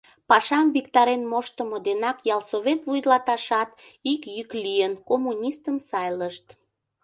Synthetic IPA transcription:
pɑʃɑmβikt̪ɑɾenmoʃt̪əmod̪enɑkjɑlsoβet̪βujd̪lɑt̪ɑʃɑt̪ | ikjyklijənkomunʲist̪əmsɑjləʃt̪

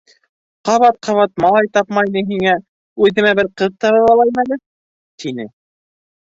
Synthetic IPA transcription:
qɑβɑt̪̚qʰɑβɑt̪̚mɑlˠɑjt̪ɑpmɑjnɤɦiŋæ | ʉðɘ̆mæbɘɾqɤðt̪ɑɾɤ̆lˠɑlˠɑjmælɘ | t̪ʰinɘ

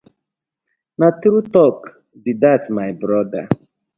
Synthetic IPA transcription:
nat̪ɾutɔk | didatmajbɾɔda

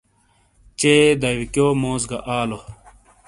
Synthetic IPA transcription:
t͡ɕeːd̪ɐwikjoːmoːzɡɐʔaːlo

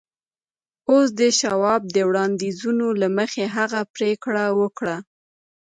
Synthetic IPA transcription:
os̬d̪əʃawɑb̚d̪əwɽɑnd̪izunolaməxeɦaɣapɾekɽawəkɽa

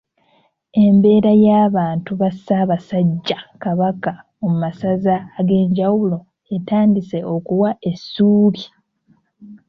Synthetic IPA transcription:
e̞mbe̞ːɾajaːβaːntuβasaːβasaɟːakaβaka | omumasazaːɡe̞ːɲɟawulo̞ | etaːndise̞o̞kuwae̞sːuːβi

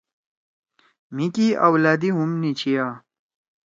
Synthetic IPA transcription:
mikiawlaːd̪iɦumnit͡ɕʰijaː

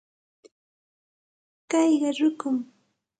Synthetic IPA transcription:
kɑjɢɑɾʊkʊm

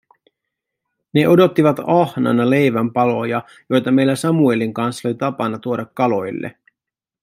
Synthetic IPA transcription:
ne̞ʔo̞do̞t̪ːiʋɑt̪ɑhnɑ̰nɑle̞jʋæmpɑlo̞jɑ | jo̞jt̪ɑme̞jlæsɑmueliŋkɑnsːolit̪ɑpɑnːɑt̪uo̞dɑkːɑlo̞jlːḛ

